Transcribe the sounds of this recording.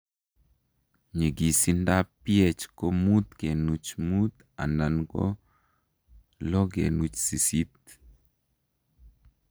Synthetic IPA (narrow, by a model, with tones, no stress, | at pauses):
ɲe˨ɡi˨si˦nda˦pjɛ˦t͡ʃko˦mu˦t̪ke˨nu˨t͡ʃmu˦t̪ | a̰˨na˨nɡɔ̰˦ | lɔ˦ɡḛ˨nu˨t͡ʃsi˨si˦t̪̚